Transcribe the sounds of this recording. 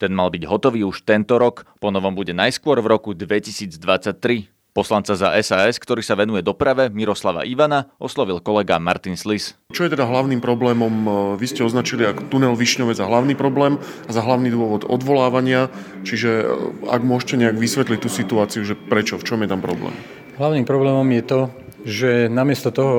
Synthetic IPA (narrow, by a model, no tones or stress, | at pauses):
t̪ɛnmalbiɟɦɔt̪ɔʋiːuʃt̪ɛnt̪ɔɾɔkpɔnɔʋɔmbuɟɛnajskʊɔɾvɾɔkud̪ʋɛcisiːd͡zd̪ʋat͡sac̚t̪ɾi | pɔslant͡saza̰ʔɛsaːɛskt̪ɔɾiːsaʋɛnujɛd̪ɔpɾaʋɛmiɾɔslaʋa̰ʔiʋanaɔslɔʋilkɔlɛɡa̰ma̰ɾt̪inslist͡ʃɔjɛt̪ɛd̪aɦlaʊniːmpɾɔblɛːmɔmʋiscɛɔznat͡ʃiliakɔ̥t̪unɛlʋiʃɲɔʋɛzaɦlaʊniːpɾɔblɛːm | azaɦlaʊniːd̪ʊɔʋɔd̪ɔ̰d̪ʋɔlaːʋaɲɪa | t͡ʃiʒɛa̰ɡmʊɔʃcɛɲɛaɡʋisʋɛt̪lic̚t̪uːsit̪uaːt͡siuʒɛpɾɛt͡ʃɔft͡ʃɔmjɛt̪ampɾɔblɛ̰ːm | ɦlaʊnimpɾɔblɛːmɔmjɛt̪ɔ | ʒɛnamɪɛst̪ɔt̪ɔɦɔ